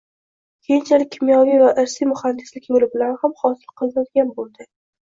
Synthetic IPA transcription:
kʲʰejɪnt͡ʃʰalɪk̚ʲʰːɪmjɒvijvaʔɪɾsimʊhand̪ɪslɪkʲmʊlɪbɪlanhamχɒsɪlˠqʰɨlˠnad̪ɡʲanbolˠd̪ɪ

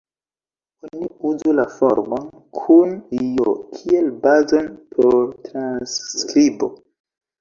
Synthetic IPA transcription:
oniuzulafo̰ɾmon | kʰunijokʰielbazo̞npʰoɾtɾanskɾibo

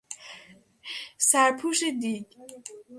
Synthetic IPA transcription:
sæɾpʰuːʃed̪iːɟ

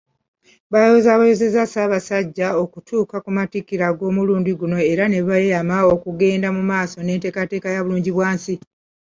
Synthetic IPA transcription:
βajo̞zaβajoze̞zasaːβasaɟːao̞kutʰuːkakumatikiɾaɡo̞ːmuluːndiɡuno̞e̞ɾane̞βajejamao̞kuɡe̞ːndamumaːso̞ne̞ːnte̞ːkate̞ːkajaβuluːɲɟiβwaːnsi

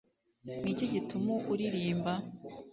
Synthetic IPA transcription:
nicoɟitumuʔuɾiɾiːmba

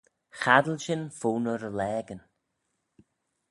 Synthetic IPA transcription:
xad̪əlʃɪnfuːnəɾəlɛːɡən

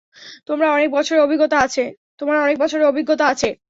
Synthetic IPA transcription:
t̪omɾaɔnek̚bɔt͡ɕʰoɾeobʱiɡːot̪aat͡ɕʰe | t̪omɾaɔnek̚bɔt͡ɕʰoɾeobʱiɡːot̪aat͡ɕʰe

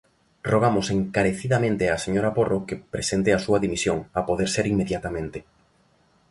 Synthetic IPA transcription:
roɣ̞amoseŋkaɾeθiðamẽnt̪easeɲoɾaporʔokepɾesent̪easuɐðimisjoŋapoðeɾseɾimːeðjat̪amẽnt̪ɪ

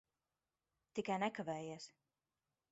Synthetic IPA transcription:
t̪ikajnɛkavɛːjiːs

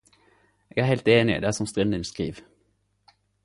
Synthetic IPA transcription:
eːɡæːɾhɛɪlt̪eːnɪ̰d̪eæːsɔmst̪ʁɪnd̪ənskʁḭːʋ

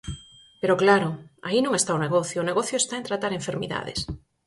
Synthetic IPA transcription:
peɾoklaɾʊa̰inõŋest̪aoneɣɔθjʊːneɣɔθjoest̪aent̪ɾat̪aɾeɱfeɾmḭða̰ðḛs

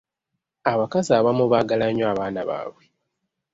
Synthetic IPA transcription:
aβakaziaβamuβaːɡalaɲoaβaːnaβa̰βwe

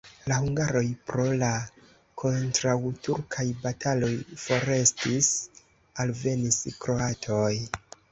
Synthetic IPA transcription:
lahuŋɡaɾo̞jpɾo̞la | kʰo̞ntɾawtuɾkʰajbatʰalo̞jfo̞ɾe̞stis | alve̞niskɾo̞atʰo̞j

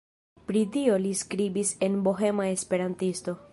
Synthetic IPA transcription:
pɾidio̞liskɾibise̞nboɦe̞maespe̞ɾantisto̞

